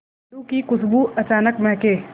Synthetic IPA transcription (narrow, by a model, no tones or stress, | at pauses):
lukikʊsbuɐt͡ʃaːnəkmɛɦke